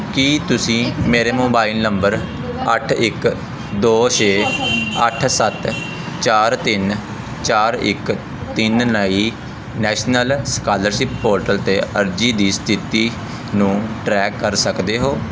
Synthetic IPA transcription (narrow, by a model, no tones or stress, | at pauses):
kiːt̪ʊsĩːmeːɾeːmoːbaːilnəmbəɾ | əʈʰɪk | d̪oːt͡ʃʰeːəʈʰsət̪ | t͡ʃaːɾt̪ɪn | t͡ʃaːɾɪ̰k | t̪ɪnnəiː | nɛːʃnəlskaːləɾʃɪp̚poːɾʈəlt̪eːəɾd͡ʒiːd̪iːst̪ʰɪt̪iː | nũːʈɾɛːkːəɾsəkd̪eːɦoː